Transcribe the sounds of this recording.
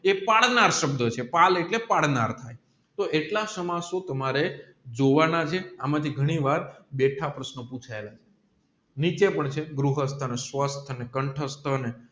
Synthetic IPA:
epaɽnaɾʃəbd̪ət͡ʃʰepaleʈlepaɽnaɾt̪ʰaj | t̪oʔeʈlasəmasot̪əmaɾe | d͡ʒoʋanat͡ʃʰeamãt̪ʰiɡʱəɽ̃iʋaɾbeʈʰapɾəsnəpũt͡ʃʰaelat͡ʃʰe̥ | nit͡ʃepəɳt͡ʃʰeɡɾuɦəst̪ʰənesʋəst̪ʰənekəɳʈʰəst̪ʰəne

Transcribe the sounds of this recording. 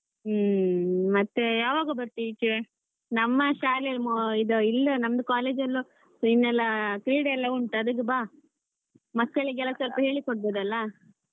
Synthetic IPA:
mɐt̪ːejaːʋaːɡɐbɐɾt̪it͡ʃi | nɐmːɐʃaːlelmoid̪oilːɐnɐmɐd̪ɐkaːleːd͡ʒɐlːu | sinːɛlːɐkɾiːɽɛlːɐuɳʈɐd̪ukːebaː | mɐkːɐɭiɡɛlːɐsɐlpɐɦe̞ːɭikoɽ̚boːd̪ɐlːɐ

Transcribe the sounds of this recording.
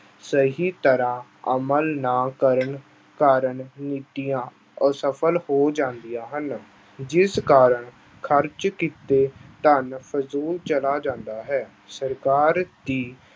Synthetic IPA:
səɦiːt̪əɾãː | əməlnaːkəɾəɳ | kaːɾəɳniːʈ̪ijãː | səpʰəlhoːd͡ʒãːnd̪ijãːɦən | d͡ʒɪskaːɾəɳ | kʰəɾt͡ʃkit̪eːt̪ənpʰəzuːlt͡ʃəlaːd͡ʒãːnd̪aːɦɛː | səɾkaːɾd̪iː

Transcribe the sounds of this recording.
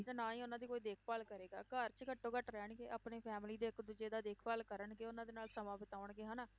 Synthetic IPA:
t̪anaːiːʊnãːd̪iːkoːiːd̪eːkʰpaːlkəɾeːɡaːkəɾt͡ʃkəʈːõːkəʈɾɛːɳɡeːʔaːpneːpʰɛːmliːd̪eːɪkd̪ʊd͡ʒeːd̪aːd̪eːkʰpaːlkəɾəɳɡeːʊnãːd̪eːnaːlsəmãːbɪt̪aːʊəɳɡeːɦaːnaː

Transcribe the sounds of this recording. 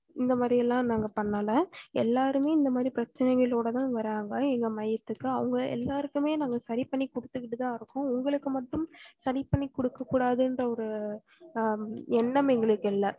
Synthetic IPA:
ɪnd̪ɐmaːd̪ɾɪjɛlːãːnaːŋɡɐpɐɳːɐlɐɛlːaːɾɯmeːɪnd̪ɐmaːd̪ɾipɾɐt͡ʃːɐnɛɪɣɐɭoːɽɐt̪ãːʋɐɾaːŋɡɐɛŋɡɐmɐjɐt̪ːɯkːɯɐʋɐŋɡɐɛ̰lːaːɾɯkːɯmeːnaːŋɡɐsɐɾipɐɳːikɔɽɯt̪ːɯkːɪʈːɯt̪ãːɪɾɯkːʊ̃ʊŋɡɐɭɯkːɯmɐʈːɯmsɐɾikpːɐɳːikːɔɽɯkːɐkːuːɽaːðɯɛndrɐɔɾɯ | ɛnːɐmɛŋɡɐɭɯkːɛlːɐ

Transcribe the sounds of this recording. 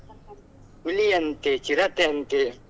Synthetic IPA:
ulijɐnt̪et͡ɕiɾɐt̪ent̪e

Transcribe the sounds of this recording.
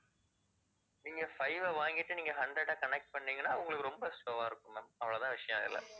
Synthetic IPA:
nɪŋɡɐfɐɪʋɐʋaːŋɡɪʈːɯniːŋɡɐɦɐɳɖɾɛɽaːkɐnɛk̚ʈ̚pɐɳːiːŋɡɐnːaːɐʋɯŋɡɐɭɯkːɯɾɔmbɐsʈoːʋaːɪɾɯkːɯmemɐʋɐɭɐt̪ãːʋɪʂɐjɐ̃mɪ̰lːɐ̰

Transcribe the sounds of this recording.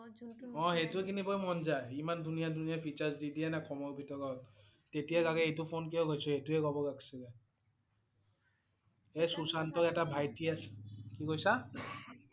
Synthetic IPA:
ɔ̃ɦetukinibɔjmɔnzajimandʱunijadʱunijapʰit͡ʃaɹzdidiɛnakʰɔmɔɹbʱitɔɹɔl | tetijaɡaɡɛejtupʰonk̬ijɔ̃ɡojsɔetuɛɡɔbɔɡaksɛɡɛ | esusantɔɹɛtabʱajtiaskikojsa

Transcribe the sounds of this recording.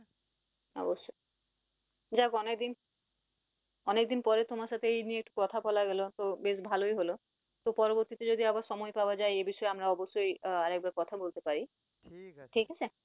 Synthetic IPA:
ɔ̰boʃːo | d͡ʑakɔnekd̪in | ɔnek̚d̪inpɔɾet̪omaɾʃat̪ʰeejnieek̚ʈu̥kɔt̪ʰapɔlaɡelot̪obeʃbʱalojɦolo | t̪opɔɾoboɾt̪it̪ed͡ʑod̪iabaɾʃɔmɔejpabad͡ʑaeebiʃɔeamɾaɔboʃːojaɾɛk̚baɾkɔt̪ʰabolt̪epaɾi | ʈʰikat͡ɕʰe

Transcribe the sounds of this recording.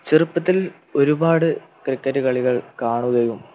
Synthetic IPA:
t͡ɕirɨpːɐt̪ːil | o̞ɾubaːɽɨ | krikːɐɾɨkɐɭiɣɐɭkaːɳuɣɐjum

